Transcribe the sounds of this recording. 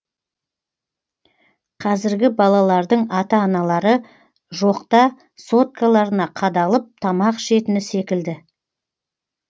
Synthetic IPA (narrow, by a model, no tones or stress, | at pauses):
qʰɑzɪɾɡʲɪbɑlˠɑlˠɑɾd̪əɴɑt̪ɑːnɑlˠɑɾə | ʒo̞qt̪ɑ | so̞t̪̚kʰalˠɑɾənɑqʰɑd̪ɑlˠəp̚t̪ʰɑmɑqʃe̞t̪ɪnɪse̞kʲɪld̪ɪ